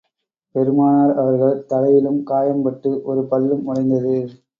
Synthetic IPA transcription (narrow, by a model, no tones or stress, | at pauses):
pɛɾɯmaːnaːɾɐʋɐɾɣɐɭt̪ɐɽɐjɪlɯmkaːjɐmpɐʈːɯʔɔɾɯpɐlːɯmːʊɽɐɪnd̪ɐðɯ